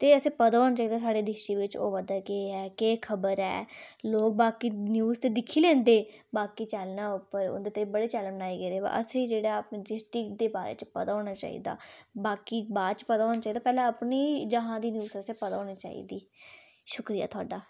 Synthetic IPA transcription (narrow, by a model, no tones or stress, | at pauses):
t̪eːəsẽːpəd̪aːɦoːnaːt͡ʃaːiːd̪aːsaːɖeːd̪ɪʃiːʋɪt͡ʃo̰ːʋəd̪aːkeːɛːkeːkʰəbəɾɛ̰ːloːk̚baːkiːnjuːzt̪eːd̪ɪkʰiːlɛ̃ːnd̪eːbaːkiːt͡ʃəlnaːʊpːəɾʊ̰nd̪eːt̪əibəɽeːt͡ʃɛːləmnaːiɡeːɾeːba̰ʔə̰sẽːd͡ʒeːɽaːpnːd͡ʒɪsʈɪkd̪eːbaːɾḛːt͡ʃpəd̪aːɦoːnaːt͡ʃa̰ːḭːd̪a̰ːbaːkiːbaːd̪t͡ʃpəd̪aːɦoːnaːt͡ʃaːid̪aːpɛːlãːəpniːd͡ʒəɦãːd̪iːnjuːsəsẽːpəd̪aːɦoːniːt͡ʃa̰ːḭːd̪iː | ʃʊkɾija̰ːt̪ʰʊa̰ːɖaː